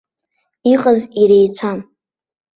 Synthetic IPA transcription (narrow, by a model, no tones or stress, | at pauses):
iqʼaziɾejt͡sʷʰan